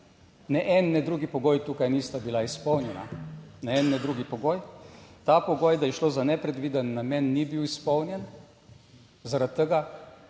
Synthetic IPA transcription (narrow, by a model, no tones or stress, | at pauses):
nɛʔɛnːɛd̪ɾuːɡipɔɡoːjt̪uːkajnist̪abilaispɔwnjɛna̰nɛɛnːɛd̪ɾuɡipɔɡoːjt̪apɔɡoːjd̪ajɛʃloːzanɛpɾɛd̪ʋiːd̪ənːamʲɛnːibiwispɔwnjɛn | zaɾat̪̚ːəɡa